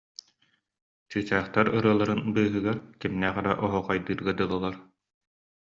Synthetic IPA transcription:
t͡ɕɯːt͡ɕæːχt̪aɾɯɾɯɐlˠaɾɯnbɯːɦɯɡaɾkimnɛːχɛɾaʔɔɦɔqɑjd̪ɯːɾɡad̪ɯlˠɔlˠaɾ

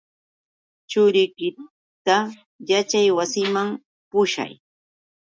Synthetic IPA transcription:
t͡ʃʊɾɪkɪ | t̪a | jat͡ʃajwasɪmam | pʊʃa̰j

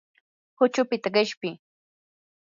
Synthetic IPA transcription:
hʊt͡ʃʊpɪt̪aɢɪʃpɪ

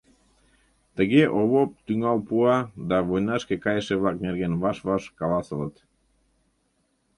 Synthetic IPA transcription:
t̪əɣeʔoβop̚t̪yŋɑlpuɑd̪ɑβojnɑʃkekɑjəʃeβlɑk̚neɾɣenβɑʃβɑʃkɑlɑsələt̪

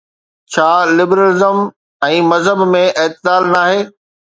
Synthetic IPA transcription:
t͡ɕʰaːlɪbɾəlɪzəm | ɛ̃ːmɐzɦəbmẽʔɪːt̪ɪdaːlnaːɦeː

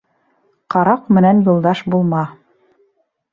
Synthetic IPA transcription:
qɑɾɑqmɘ̆nænjulˠd̪ɑʃbulˠmɑ

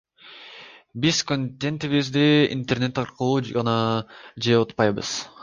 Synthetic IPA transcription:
bizkonʲt̪ʲːent̪iβizd̪iḭnt̪erne̞t̪ɑɾqəlˠuːɑnɑd͡ʒeot̪pɑjbɯ̰z̥

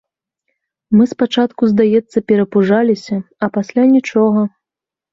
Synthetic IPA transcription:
mɨspat͡ʂat̪kuzd̪ajɛt̪sːɐpʲɛɾɐpuʐalʲisʲɐ | ɐpasʲlʲanʲit͡ʂɔɣɐ

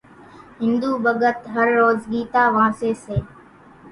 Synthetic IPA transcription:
ɦɪnd̪uːbəɠət̪ɦəɾːoːzɡiːt̪aːʋãːseːseː

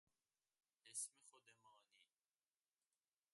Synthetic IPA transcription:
ɛsmiχɔd̪ɛmani

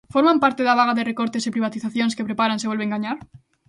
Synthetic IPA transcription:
foɾmãmpaɾt̪eðaβ̞aɣaðerekoɾt̪esepɾiβat̪iθaθjonskepɾepaɾaŋseβolβeŋɡaɲaɾ

